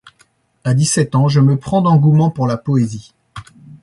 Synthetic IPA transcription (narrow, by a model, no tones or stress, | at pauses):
ad̪isɛt̪ɑ̃ʒəməpχɑ̃d̪ɑ̃ɡumɑ̃puʁlapɔezi